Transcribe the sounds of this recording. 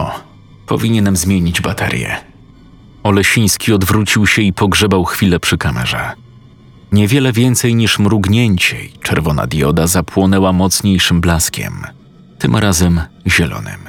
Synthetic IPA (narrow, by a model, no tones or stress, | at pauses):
ɔ | pɔ̰vʲiɲɛnɛmzmʲjeɲid͡ʑbat̪ʰɛ̰ɾʲjɛ̰ | ɔlɛɕĩj̃skʲiɔd̪vɾut͡ɕiwɕɛipɔɡʐɛbawxfʲilɛpʂɘkamɛ̰ʐɛ̰ | ɲɛvʲjɛlɛvʲjɛnt̪sɛjɲiʂmɾuɡɲɛɲt͡ɕɛ̰it͡ʂɛɾvɔna̰d̪ʲjɔd̪azapʰwɔnɛwamɔt̪sɲejʂɘmblaskʲɛ̰m | t̪ɘmɾazɛmʑɛlɔ̰nɘ̰m